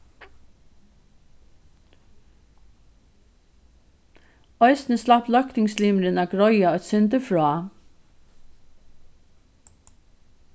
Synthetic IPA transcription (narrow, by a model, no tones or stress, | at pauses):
ɔʏsnəslaplœkt̪ɪŋsliːmɾɪnaɡɾɔjaɔʏt̪sʏnt̪əfɹɔː